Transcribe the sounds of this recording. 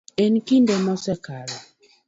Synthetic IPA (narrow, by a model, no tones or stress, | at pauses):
enkindɛmɔsɛkaɾa